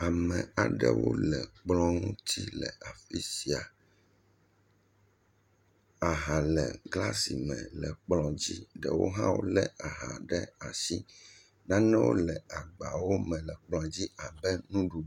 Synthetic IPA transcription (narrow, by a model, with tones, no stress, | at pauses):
a˨mɛ̃˨a˨ɖɛ̰˦wo̰˦lɛ˨k͡plɔ̃˦ŋũ˦t̪i˦lɛ̰˨a˨fi˦si˨a˨ | a˨ɦa˨lɛ˨ɡla˦si˨mɛ̰̃˨lɛ˨k͡plɔ̃˨d͡ʑi˦ɖɛ˨wo̰˦ɦã˦wo̰˦lɛ˦a˨ɦa˨ɖɛ˦a˨si˦ | nã˦nɛ̃˦wo̰˦lɛ˨a˨ɡ͡ba˨wo˦mɛ̃˨lɛ˨k͡plɔ̃˨d͡ʑi˦a˨bɛ˦nũ˦ɖu˨